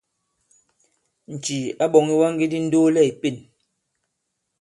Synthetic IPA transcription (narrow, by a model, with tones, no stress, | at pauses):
n̩˨t͡ʃi˨a˦ɓɔ˨ŋi˦wa˦ŋ˦ɡi˦di˦n̩˦doː˦lɛ˦˨i˨pe˦˨n